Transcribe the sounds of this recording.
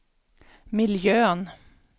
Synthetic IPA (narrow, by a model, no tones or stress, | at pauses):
mɪljøːən